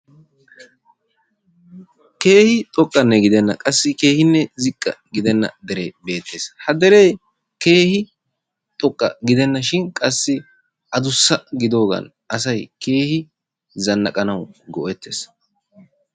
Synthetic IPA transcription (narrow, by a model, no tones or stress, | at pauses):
ke̞ːhɪt̪ʼɔkʼːɐnːɛɡɪd̪ɛnːɐkʼɐsːɪke̞ːhɪnːɛzɪkʼːɐ̰ɡɪd̪ɛnːɐ̰d̪ɛɾḛːbe̞ːt̪ːe̞ːshɐd̪ɛɾeː | ke̞ːhɪ | t̪ʼɔkʼːɐ̰ɡɪd̪ɛnːɐʃɪnkʼɐsːɪ | ʔɐd̪ʊsːɐɡɪd̪o̞ːɡɐ̰n | ʔɐsɐjke̞ːhɪ | zɐnːɐkʼɐnɐwɡɔʔɛt̪ːe̞ːs